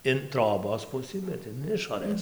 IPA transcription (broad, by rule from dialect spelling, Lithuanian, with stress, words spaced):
ɪn ˈtroːboːs ˈpʊsɨ bʲɛt ɪn ˈɪʃoːrɘs